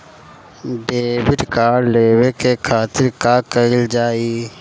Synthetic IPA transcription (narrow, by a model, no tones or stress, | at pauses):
ɖeːwɪʈkaːɾleːwekekʰaːt̪ɪɾkaːkəɪld͡ʒaːiː